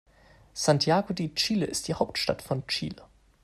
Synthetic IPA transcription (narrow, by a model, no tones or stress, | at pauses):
z̥antʰjaːɡodiːt͡ʃiːləʔɪstd̥iːhaʊp̚tʃtatfɔnt͡ʃiːlə